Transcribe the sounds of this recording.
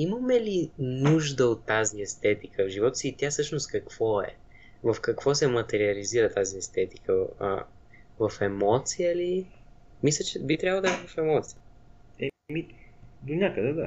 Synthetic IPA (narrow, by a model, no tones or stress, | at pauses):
iməmɛlinuʒd̪əot̪ːaziɛst̪ɛt̪ikʰəvʒivɔt̪ə̥siːt̪ʲjasɤʃnost̪̚kɐkv̥ɔɛ̰ | vəfkɐkvɔsɛmɐt̪ɛɾiəliziɾət̪aziɛst̪ɛt̪ikəə̰ | vəfɛmɔt̪sijəli | mis̬lʲɐt͡ʃɛbit̪ɾʲjavlˠəd̪ɛɛvɐfɛmɔt̪si̥jə | ɛmid̪onʲakəd̪ɛd̪a